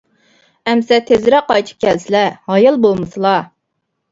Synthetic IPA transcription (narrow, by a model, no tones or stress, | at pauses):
ɛmsɛt̪ʰezɾɛqɑjt͡ʃ̪ʰɨ̥p̚kʲʰɛlsɪlɛhɑjɨlˠbolˠmɨsɨlˠɑ